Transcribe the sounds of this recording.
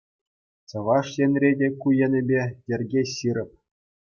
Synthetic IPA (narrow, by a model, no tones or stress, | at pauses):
t͡sɤ̆ʋɑʂjenʲrʲedʲekujĕnʲĕbʲedʲĕrʲɡʲeɕɯɾʲɘ̆p̚ʲ